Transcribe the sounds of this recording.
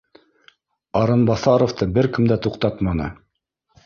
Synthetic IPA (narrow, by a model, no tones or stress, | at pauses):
ɑɾɤnbɑθɑɾoft̪ɤbɘɾkɘ̆md̪æt̪uqt̪ɑt̪mɑnɤ̰